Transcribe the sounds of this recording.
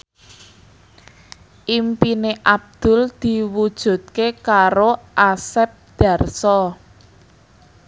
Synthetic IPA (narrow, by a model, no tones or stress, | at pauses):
ʔimpineʔab̚d̪̥ʊ̤ld̪̥i̤wud̥ʒ̥ṳt̪̚kekaɾoʔasɛp̚d̪̥a̤rsɔ